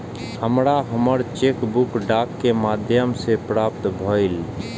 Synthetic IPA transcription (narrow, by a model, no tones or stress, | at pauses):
həmɾaɦəməɾt͡ʃeːkbʊkɖaːkːemaːd̪ʱjəmsepɾaːpt̪bʱoil